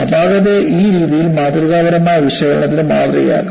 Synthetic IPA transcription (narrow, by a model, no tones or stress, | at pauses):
ɐdaːɣɐðeʔiːɾiːðijilmaːd̪ruɣaːɡɐɾɐmaːjɐʋiɕɐɣɐɭɐɳɐt̪ːinemaːd̪rɐ̰ja̰ːkːu